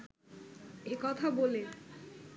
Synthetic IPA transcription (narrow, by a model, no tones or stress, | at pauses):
ekɔt̪ʰabole